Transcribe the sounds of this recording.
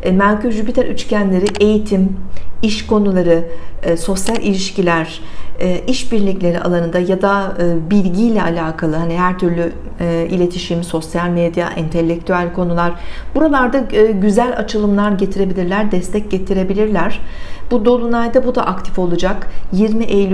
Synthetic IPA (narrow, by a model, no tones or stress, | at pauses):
mæɾcʰyɾʒypit̪ɛɾʔyt͡ʃcʰænlʲe̞ɾiʔe̞jit̪ʰimiʃko̞nulˠaɾɯso̞sjalʲʔilʲiʃcilʲæɾ̥ɛːʔiʃbiɾlʲiclʲe̞ɾiʔa̰lˠanɯnd̪ajad̪aɯbilʲɟijlʲɛʔalʲaːkʰalˠɯɦaniɦæɾt̪ʰyɾlʲy | ilʲe̞t̪ʰiʃimso̞sjalʲmed̪ja̰ʔint̪ʰe̞lʲːec̚t̪ʰyælʲkʰo̞nulˠaɾb̥uɾalˠaɾd̪aːɟyzælʲa̰t͡ʃʰɯlˠɯmlˠaɾɟe̞t̪ʰiɾe̞bilʲiɾlʲæɾd̪ɛst̪ʰɛc̚ɟe̞t̪ʰiɾe̞bilʲiɾlʲæɾ̥b̥ud̪o̞lˠunajd̪abud̪a̰ʔak̚t̪ʰi̥fo̞lˠud͡ʒakjiɾmiʔejlʲ